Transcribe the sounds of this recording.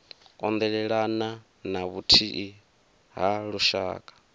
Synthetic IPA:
kʼɔnd̪ɛɺɛɺana | naβutʰiʔi | ɦaɺuʃa̰ːkʼḁ

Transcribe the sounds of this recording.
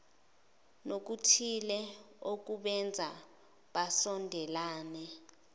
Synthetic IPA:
nok̬utʰilɛ | ok̬uɓɛnd͡zʱa | ɓasɔndʱɛlaːnɛ

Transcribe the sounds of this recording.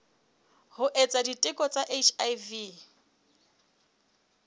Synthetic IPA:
hʊʔet͡sʼaditʼɪkʼɔt͡sʼaʔet͡ʃʰajvi

